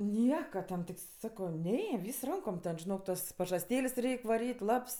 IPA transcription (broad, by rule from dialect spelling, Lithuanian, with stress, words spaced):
ˈnʲiɛkɐ tʲɛn tʲɪk ˈsɑːkɐʊ ˈnʲɛ ˈʋʲiːs ˈrɐŋkoːm ˈtʲɛn ʒʲɪˈnoːk ˈtɐs pɐʒɐsʲˈtʲeːlʲeːsʲ ˈrʲɛɪkʲ ʋɐˈrʲiːtʲ ˈlˠɐps